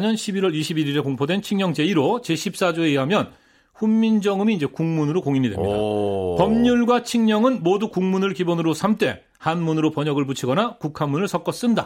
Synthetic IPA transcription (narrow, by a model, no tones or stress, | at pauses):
ɲʌnɕʰibiɾwʌɾiɕʰibiɾiɾe̞koŋpʰodwe̞nt͡ɕʰiŋɲʌŋd͡ʑe̞iɾot͡ɕeɕʰip̚s͈ad͡ʑoeiɦamjʌn | ɸumːind͡ʑʌŋɯmiːnd͡ʑe̞kuŋmunɯɾokoŋiɲidwemɲidapʌmɲuɭɡwat͡ɕʰiŋɲʌŋɯnmodukuŋmunɯɭkibonɯɾosʰamt͈e̞ | hanmunɯɾopʌɲʌɡɯɭput͡ɕʰiɡʌnakukʰanmːunɯɭsʰʌk͈ʌs͈ɯnda̰